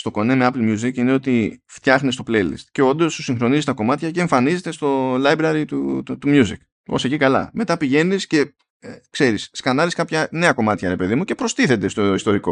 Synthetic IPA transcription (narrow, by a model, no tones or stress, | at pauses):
st̪o̞ko̞nemeɐplmjuzikine̞o̞t̪ift̪çɐxnest̪o̞pleilḭst̪ce̞o̞nd̪o̞sːusiŋxɾo̞nizist̪ɐko̞mɐt̪çɐceːɱfɐnize̞t̪e̞st̪o̞lɐjbɾɐɾit̪ut̪umjuzḭk | osecikɐlɐ̰me̞t̪ɐpiʝe̞nisce̞ | kse̞ɾisskɐnɐɾiskɐpçɐne̞ɐko̞mɐt̪çɐɾe̞pe̞ðimuce̞pɾo̞st̪iθe̞t̪e̞st̪o̞ist̪o̞ɾiko̞